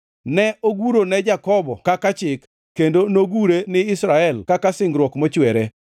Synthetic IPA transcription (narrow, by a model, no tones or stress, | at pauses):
nɛoɡuɾonɛd͡ʒakɔbɔkakat͡ʃɪkː | endonoɡuɾenɪɪsɾaɛlkakasɪŋɡɾwɔkmɔt͡ʃwɛɾe